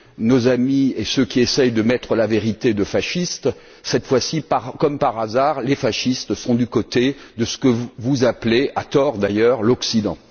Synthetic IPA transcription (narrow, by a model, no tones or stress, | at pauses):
nozamiesøkʲiesɛjd̪əmɛt̪χəlaveʁit̪ed̪əfaʃist̪ | sɛt̪fwasipaʁkɔmpaʁazaːʁlefaʃist̪sɔ̃d̪ykot̪ed̪əsə̥kəvuzaplea̰t̪ɔʁd̪ajœːʁlɔksid̪ɑ̰̃